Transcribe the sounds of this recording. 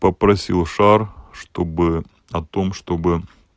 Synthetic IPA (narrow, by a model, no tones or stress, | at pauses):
pəpɾɐsʲilˠʂarʂt̪obɨ | ɐt̪omʂt̪obɨ